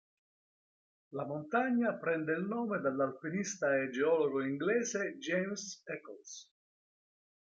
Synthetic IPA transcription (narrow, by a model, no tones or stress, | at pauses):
lamont̪aɲːapɾɛnd̪eilnɔːmed̪alːalpinist̪aed͡ʒeɔːloɡoiŋɡlɛːzed͡ʒejmsɛkɔ̰ls